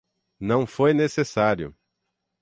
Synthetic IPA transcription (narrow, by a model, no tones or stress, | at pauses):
nɐ̃w̃fojnesesaɾjʊ̰